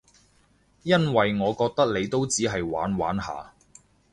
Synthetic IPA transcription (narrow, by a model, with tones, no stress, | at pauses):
jɐ˥nwɐ˨jŋɔː˨˧kɔː˧k̚t̪ɐ˥k̚le˨˧jt̪o˥wt͡siː˨˥ɦɐ˨jwa̰ː˨˥nwa̰ː˨˥nɦa̰ː˨